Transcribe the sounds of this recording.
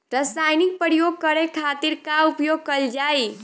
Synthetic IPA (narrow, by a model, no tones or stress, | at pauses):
ɾəsajnik̚pəɾjoɡ̚kəɾekʰat̪iɾkaupjoɡ̚kəld͡ʒai